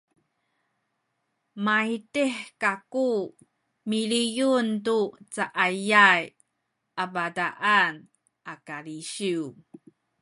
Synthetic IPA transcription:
maitiħkaku | milijuntut͡saʔajaj | ʔabadaʔan | ʔakaliɕiw

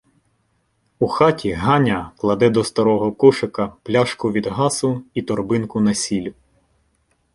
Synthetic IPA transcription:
uxɑtʲiɦɑnʲɐklˠɐd̪ɛd̪ɔst̪ɐɾɔɦɔkuʃekɐplʲaʃkʊʋʲid̪ɦɑsʊit̪ɔrbɪnkʊnɐsʲilʲʊ

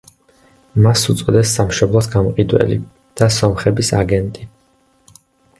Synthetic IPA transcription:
masut̪sʼɔd̪ɛsːamʃɔblˠɔsɡamqʼid̪wɛ̰lḭ | d̪̥asɔmχɛbisaɡɛnt̪ʼi

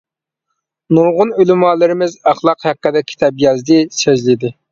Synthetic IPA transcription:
nuɾʁʊnølymɑːlˠɪɾɪmɪzɑχlˠɑqhæqːəd̪ɛkʲʰi̥t̪ʰɛpjɑzd̪ɪsøzlɪd̪ɪ

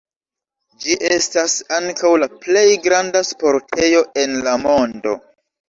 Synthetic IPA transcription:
d͡ʒiʔe̞stasaŋkawlaple̞jɡɾandaspo̞ɾtʰe̞jo̞ʔe̞nlamo̞ndo̞̰

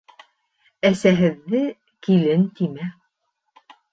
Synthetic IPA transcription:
æsæɦɘ̆ðːɘ | kilɘnt̪imæ

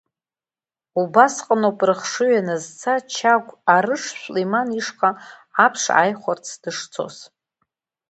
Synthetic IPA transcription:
ubasqʼənopʼrɨχʂɨɥanazt͡sʰat͡ʃʰaɡʷaɾɨʂɕʷlejmaniʂqʼaapʰʂa̰jχʷart͡sʰd̥ɨʂt͡sʰo̞̰z

